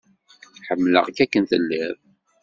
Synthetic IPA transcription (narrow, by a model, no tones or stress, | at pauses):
ħəmːlə̰ʁkækːənθəlːæv